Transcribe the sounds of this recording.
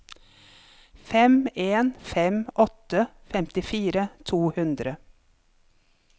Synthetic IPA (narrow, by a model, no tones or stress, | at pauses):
fɛmeːnfɛmʔɔt̪əfɛmt̪ɪfiːɾət̪ʰuːhʉnd̪ɾə